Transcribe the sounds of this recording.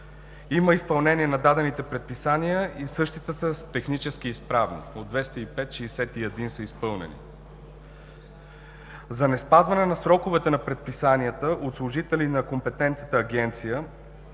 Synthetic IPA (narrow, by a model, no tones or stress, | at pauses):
iməispɐlˠnɛniɛnɐd̪ad̪ɛnit̪ɛpɾɛt̪̚pisanijəisɤʃt̪it̪ət̪əst̪ɛxnit͡ʃɛskiːspɾavnḭod̪vɛst̪əipɛt̪ʃɛːsɛt̪iɛd̪insəispɤlˠnɛ̰nḭ | zɐnɛspazvɐnɛnɐsɾɔkʊvɛt̪ɛnɐpɾɛt̪̚pisaniət̪əʔot̪slˠʊʒit̪ɛlinɐkompɛt̪ɛnt̪nət̪əːɡɛnt̪sijə